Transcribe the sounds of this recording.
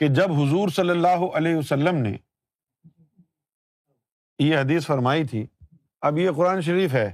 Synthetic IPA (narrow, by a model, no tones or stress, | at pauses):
ked͡ʒɐbɦʊzuːɾsɐlːəlːaːɦoʔɐleːɦɐsəlːəmnḛ | jeɦɐd̪iːsfɐɾmaːit̪ʰḭː | ɐbjeqʊɾaːnʃ̬ɐɾiːfɦɛː